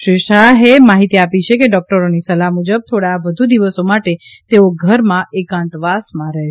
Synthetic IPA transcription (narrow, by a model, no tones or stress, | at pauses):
ʃɾiʃaɦemaɦit̪iapit͡ʃʰekeɖɔk̚ʈəɾonisəlaɦmud͡ʒəb̚t̪ʰoɽaʋəd̪ʱud̪iʋəsomaʈe | t̪eoɡʱəɾmãʔekãnt̪ʋasmãɾɛɦ